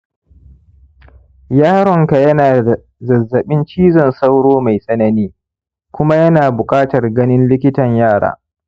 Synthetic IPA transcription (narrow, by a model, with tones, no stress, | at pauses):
jaː˦ɽɔ˨ŋka˨jɐ˦naː˨a˨ | zɐ˨zːɐ˨ɓɪ˦nt͡ʃiː˦zɔ˨nsa˦wɽoː˦ma˨jsʼɐ˦nɐ˦niː˦ | kʷʊ˦ma˦jɐ˦naː˨bʊ˨kʼaː˦tɐ˨rɡɐ˦nɪ˦nlɪ˦kʲɪ˦tɐ˨ɲjaː˦˨ɽa̰ː˨